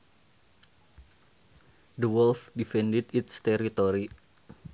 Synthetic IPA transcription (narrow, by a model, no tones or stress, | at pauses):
d̪əwɛlfdifɛndɛdit̪st̪ɛɾit̪oɾi